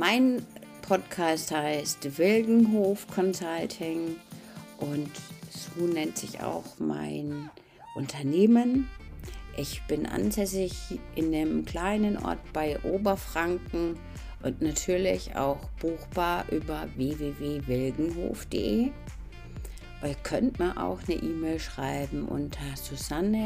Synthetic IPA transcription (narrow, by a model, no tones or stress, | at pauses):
maɪn | pʰɔtkʰaːsthaɪstv̥ɪlɡŋ̩ɦoːfkʰɔnzaltʰɪŋ | ʔʊntz̥oːnɛntz̥ɪça̰ʊxma̰ɪn | ʔʊntʰɐneːmən | ʔɪçb̥ɪnʔa̰nzɛsɪçʔɪndəmkl̥aɪnənʔɔ̰ɐtb̥aɪʔoːbɐfʁ̥aŋkŋ̩ | ʔʊntnatʰyːɐlɪça̰ʊxb̥uːxb̥aːɐʔyːbɐveːveːveːvɪlɡŋ̩ɦo̰ːfd̥ḛːʔeː | ʔʊkʰœntmaɐʔa̰ʊxnə̰ʔiːmɛːlʃʁ̥aɪbm̩ʔʊ̰ntʰɐz̥uzanə